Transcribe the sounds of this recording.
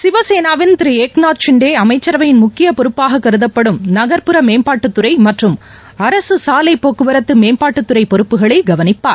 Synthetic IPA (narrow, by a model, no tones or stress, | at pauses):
sɪʋɐseːnaːʋɪnt̪ɪɾieːknaːt̪t͡ʃɪɳɖeːɐmɐɪt͡ʃːɐɾɐʋɐjɪnmʊkːɪjɐpɔɾɯpːaːɣɐkːɐɾɯðɐpːɐɽɯmnɐɣɐɾpɯɾɐmeːmpaːʈːɯt̪ːɯɾɐɪmɐʈrɯm | ɐɾɐsɯsaːlɐɪpːoːkːɯʋɐɾɐt̪ːɯmeːmpaːʈːɯt̪ːɯɾɐɪpɔɾɯpːɯɣɐɭɐɪɡɐʋɐnɪpːaːɾ